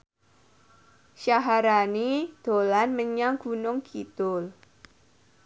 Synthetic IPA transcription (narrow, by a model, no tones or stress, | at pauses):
ʃaɦaɾanid̪̥o̤lanməɲaŋɡ̥unʊŋkʰit̪ʊl